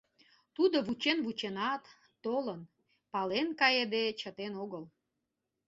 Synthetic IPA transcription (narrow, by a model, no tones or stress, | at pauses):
t̪ud̪oβut͡ɕenβut͡ɕenɑt̪ː | olən | pɑlenkɑjed̪et͡ɕət̪enoɣəl